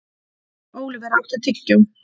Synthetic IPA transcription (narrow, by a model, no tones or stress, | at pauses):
oːwlɪvɛɾawht̪ɪt̪ʰɪcːʏm